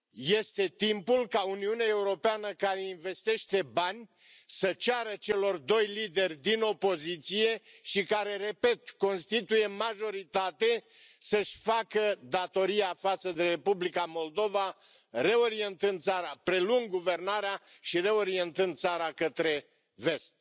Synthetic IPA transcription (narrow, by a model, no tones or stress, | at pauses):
je̞st̪e̞t̪impulkauniuneae̞uɾo̞peanəkaɾe̞inve̞st̪e̞ʃt̪e̞banʲ | sət͡ʃaɾət͡ʃe̞lo̞rd̪o̞jlid̪e̞rʲd̪ino̞po̞zit̪sije̞ | ʃikaɾe̞re̞pe̞t̪ko̞nst̪it̪uje̞maʒo̞ɾit̪at̪e̞ | səʃʲfakəd̪at̪o̞ɾiafat̪səd̪e̞ɾe̞publikamo̞ld̪o̞va | re̞o̞ɾie̞nt̪ɨnd̪̚saɾapɾe̞luŋɡɡuve̞rnaɾea | ʃiɾe̞o̞ɾie̞nt̪ɨnd̪̚saɾakət̪ɾe̞ | ve̞st̪̚